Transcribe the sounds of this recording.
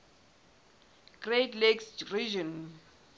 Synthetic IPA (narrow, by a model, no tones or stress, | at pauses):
ɡ̥retleksrid͡ʒɔ̃n